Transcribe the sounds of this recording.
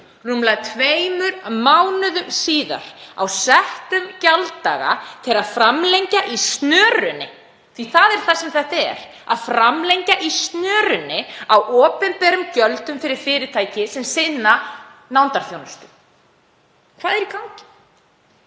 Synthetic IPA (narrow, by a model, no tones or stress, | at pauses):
rumlaðt̪ʰveːjmʏɾmawnʏðʏmsiːða̰ɾ̥awsɛht̪ʏmcalt̪aːɣa̰t̪ʰɪlaðfɾamlejɲcaʔist̪nœːrʏnːɪ̰ | θiθaðɛɾ̥θasɛmθɛt̪ɛɾ | aðfɾamleɲcaʔist̪nœːrʏnːɪawʔɔːpɛnpɛɾʏmcœlt̪ʏmfɪɾɪɾ̥fɪːɾɪt̪ʰaːjcɪsɛmsɪðna | nawnt̪aɾ̥θjownʏst̪ʏ̥ | kʰvaːðɛɾikʰawɲcɪ̥